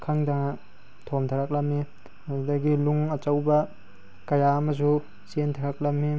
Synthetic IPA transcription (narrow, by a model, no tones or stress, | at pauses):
kʰaŋdaŋɐ | tʰomtʰaɾak̚lɐmːi | dɐɡiluŋɐt͡ʃawbɐ | kɐjaɐmɐs̬u | sentʰaɾak̚lɐmːi